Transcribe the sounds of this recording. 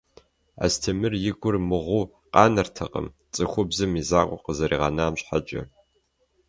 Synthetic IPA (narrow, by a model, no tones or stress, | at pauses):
a̰stʰɐmɨrjɪɡʷʊrmɨʁʷuː | qɑːnɐrtʰɐqʼə̰m | t͡sʼɨxʷʊbzɨmizaːqʷʼɔqəzɐɾʔiːʁɑnaːmɕħat͡ʃʼɐ̰